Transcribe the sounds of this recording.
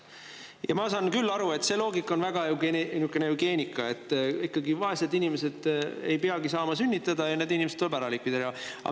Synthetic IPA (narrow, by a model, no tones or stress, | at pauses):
jɑmɑsɑnkylːɑɾue̞t̪ːˑse̞lo̞ːɡikːˑo̞nvæɡ̥ɑeɡenykːˑeneuɡ̥e̞ːnʲikˑːɑe̞t̪ːˑikːɑɡivɑe̞sed̪inʲimese̞d̪̥e̞jpeɑɡisɑːmɑsynʲːit̪ːˑɑd̪ɑjɑned̪inimeset̪olbæɾɑlik̚ːpid̪eɾɑ̰